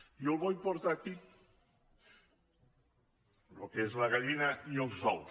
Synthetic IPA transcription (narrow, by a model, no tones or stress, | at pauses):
iolβojmpoɾt̪aki | lokezlaɣaʎinaiolˠsɔw